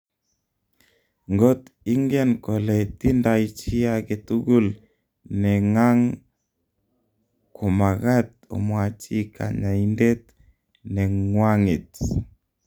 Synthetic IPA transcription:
ŋɡɔ˦t̪i˦ŋɡɛ˦nkɔ˨lɛ˨t̪i˦nda˨it͡ʃi˦ake˨t̪u˦ɡu˦l | nɛ˨ŋa˦ŋ | kʊ˨ma˨ɣa˦t̪̚ | o̰˨mwa˨t͡ʃi˦kʰa̰˨ɲa˨i˦nde˦t̪̚ | nɛ˨ŋwa˦ŋi˨t

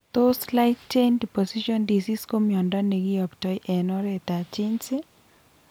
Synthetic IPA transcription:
t̪o˦sla˦ɪtt͡ʃendi˨posiʃɔ˦ndi˨si˦sko˦mjɔ˨ndɔ˦ne˨ɡi˦ɔ˨ktɔ˦jʔɛnɔ˦ɾɛt̪a˨t͡ʃi˦nsɪ˦

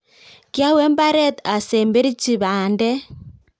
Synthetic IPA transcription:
kja˦wɛ˦mba˦ɾɛ˦˨t̪a˨sɛ˨mbe˦ɾi˦t͡ʃi˨βaː˨ndɛ˦

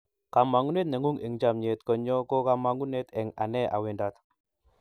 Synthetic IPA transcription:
ka˨ma˨ŋu˦ne˦t̪̬̚nɛ˨ŋu˦ŋe˨ŋd͡ʒa˦mɲe˨t̪kɔ˨ɲɔ˦kɔ˦ka˦ma˦ŋu˦ne˦t̪ɛ˨ŋa̰˨nɛ˦ʔa̰˨wɪ˨nda˦t̪

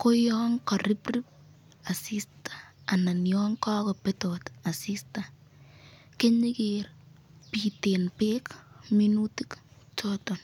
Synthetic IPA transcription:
ko˦jɔːŋkaɾi˦pri˦p̚ | a˨si˦stḁa˨na˨njɔŋka˦kɔ˨petota˨sista | ke˦ɲi˦ker | pi˨te˨npe˦kminutikt͡ʃo˦to˨n

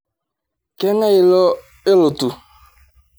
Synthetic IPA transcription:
ke˦ŋe˦ɪ˦lɔ˦ | ɪ˦lʊ˨tu˨

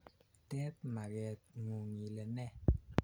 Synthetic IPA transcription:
tɛ˦p̚ma˨ɣɛ˨t̚ŋu˨ŋi˨lɛ˨nɛ˦˨

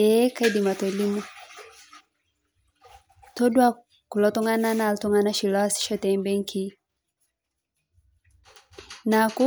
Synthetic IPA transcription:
ɛ˦ka˦i˦di˨ma˨tɔ˨li˦mɔ˦ | tɔ˦dwa˦ | ku˨lɔ˦tɔ˦ŋa˦na˦na˨ltɔ˦ŋa˦na˦ʃi˨lɔ˦a˦si̥˦ʃɔ˦tɛ˨mbɛ˦ŋ˦kʰi˦ | na˨ku˦

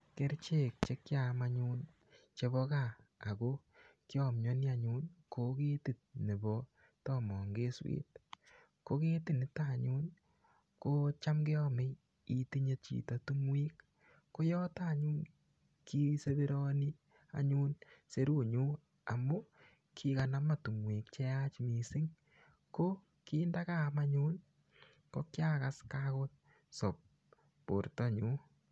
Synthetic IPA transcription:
ke˦ɾt͡ʃe˦˨k̚t͡ʃe˦kːja˨maɲuː˦n | t͡ʃe˧βɔ˦ka˦a̰˨ko˦ | kjɔ˨mɲɔ˦ni˦a˨ɲu˦nko˨˦ke˦ti˨t̪̚ne˨bɔ˦ | tɔ˦mɔ˨ŋɡe˦swḛː˦t̚ | ko˦ke˦ti˦nɪ˦ta˦˨ɲu˦n | ko˦t͡ʃa˦mɡe˦ɔ˦me˦ | i˦ti˦ɲe˧t͡ʃḭ˨to˦tu˦mwi˦kː | o˦jɔ˦ta˨ɲu˦n | ki˦se˦βi˦ɾɔ˦ni˦ | a̰˨ɲu˦nse˦ɾu˦ɲu˦ | a̰˨mu˦ | kʰi˦ka˨na˦ma˨tu˨mwiː˨kt͡ʃe˦a˦t͡ʃmi˨sɪ˦ŋ | ko˦ | kiː˦nda˦ka˦ma˦ɲu˦n | ko˦kja˦kaskako˦t̚ | so˨p̚ | po̰˨ɾtɔ˦ɲu˦

